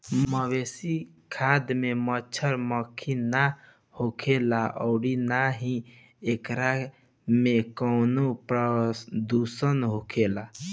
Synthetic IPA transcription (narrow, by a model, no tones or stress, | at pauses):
məwesi | kʰad̪mẽmət͡ʃʰəɾməkʰina | hokʰelaʔɔ̰ʊɽinaɦĩ | ekɾa | mekɔʊnopɾəd̪usənɦokʰela